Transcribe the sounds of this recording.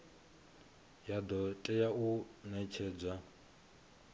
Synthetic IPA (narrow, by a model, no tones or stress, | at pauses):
jad̪ɔtʼɛjaunɛt͡ʃʰɛd͡zʷa